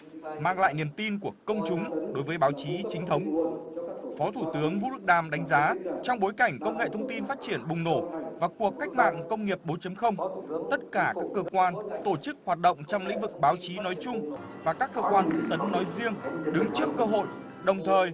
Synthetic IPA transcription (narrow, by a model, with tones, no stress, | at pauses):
maː˧ŋla̰ː˧˨jni˨˩əmt̪i˧nku˧˩əkə˧wŋ͡mt͡ɕʊ˨˦ŋ͡mɗo˨˦jvəː˨˦jɓaː˨˦wt͡ɕi˨˦t͡ɕï˨˦ŋt̪ʰə˨˦wŋ͡m | fɔ˨˦t̪ʰu˧˩t̪ɨ˨˦əŋvṵ˧˥ɗɨ˨˩k̚ɗaː˨˩mɗa˨˦jŋ̟zaː˨˦t͡ɕɔ˧wŋ͡mɓo˨˦jka˧˩jŋ̟kə˧wŋ͡mŋḛ˧˨t̪ʰə˧wŋ͡mt̪i˧nfaː˦˥t̚t͡ɕi˧˩ənɓʊ˨˩ŋ͡mno˧˩vaː˨˩ku˨˩əkːa˦˥jk̟̚ma̰ː˧˨ŋkə˧wŋ͡mŋi˨˩əp̚ɓo˨˦t͡ɕə˨˦mxə˧wŋ͡mt̪ə˦˥t̚kaː˧˩kaː˦˥kːəː˧kwaː˧nt̪o˧˩t͡ɕɨ˦˥k̚hwaː˨˩t̚ɗə̰˧˨wŋ͡mt͡ɕɔ˧wŋ͡mlḭ̈˧˥ŋ̟vɨ˨˩k̚ɓaː˨˦wt͡ɕi˨˦nɔ˨˦jt͡ɕʊ˧ŋ͡m | vaː˨˩kaː˦˥kːəː˧kwaː˧nt̪ʰə˨˦t̪ə˨˦nːɔ˨˦jzi˧əŋɗɨ˨˦ŋt͡ɕɨ˦˥əkːəː˧ɦo̰˧˨j | ɗə˨˩wŋ͡mt̪ʰəː˨˩j